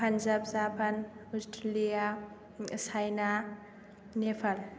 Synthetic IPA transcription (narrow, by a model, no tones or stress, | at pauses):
pʰanzabzapʰanɔstʰalija | sajna | nepʰal